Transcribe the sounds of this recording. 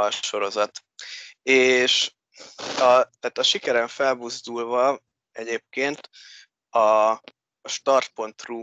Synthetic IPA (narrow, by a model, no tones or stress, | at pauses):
ɒʃo̞ɾo̞zɒt̪ | eːʃ | ɒt̪æːt̪ɒʃikɛɾɛɱfɛlbuzd̪ulvɒ | ɛɟeːp̚keːnt̪ | ɒ | ʃt̪ɒrt̪̚po̞nt̪ruː